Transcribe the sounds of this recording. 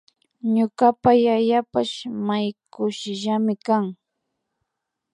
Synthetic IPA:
ɲʊɢapajaʎapaʃmajkʊʃɪʒamɪkaŋ

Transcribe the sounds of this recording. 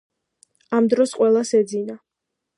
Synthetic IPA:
amd̪ɾɔsqʼwɛlˠasɛd̪zina

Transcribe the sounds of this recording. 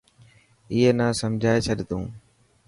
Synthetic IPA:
ɪɦenaːsəmd͡ʑʱaːet͡ʃʰəɗt̪ũː

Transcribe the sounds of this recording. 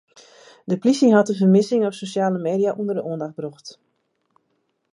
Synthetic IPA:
dəplisɪŋɦɑtəvərmɪsɪŋɔpsosaːləmeːdiaʔundərdəuəndax̚bruxt

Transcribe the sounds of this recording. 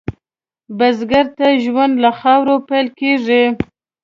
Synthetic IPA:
bazɡaɾt̪aʒwand̪laxɑwɾopajlkeʐi

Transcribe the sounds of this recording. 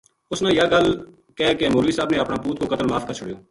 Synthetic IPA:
ʊsnãːjaːɡəl | kɛːkemoːɾliːsaːbnẽːəpnaːpuːt̪koːkət̪əlmaːfkəɾt͡ʃʰʊɽjoː

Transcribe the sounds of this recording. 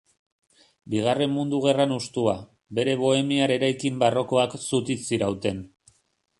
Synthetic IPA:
biɣ̞are̞mmund̪uɣ̞e̞ranust̪ua | be̞ɾe̞βo̞e̞miaɾe̞ɾajkimbaro̞ko̞aksut̪isiɾawt̪e̞n

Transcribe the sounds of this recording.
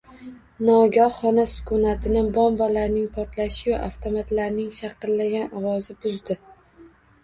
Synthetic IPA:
nɒɡʲɒχɒnasʊ̥kʰʊnat̪ʰɪnɪbɒmbɒlaɾnɪŋpʰɒɾt̪ʰlaʃɪjʊaft̪ʰomat̪laɾnɪŋʃɑqɨlːaɡʲanɒwɒzɪbʊzd̪ɪ

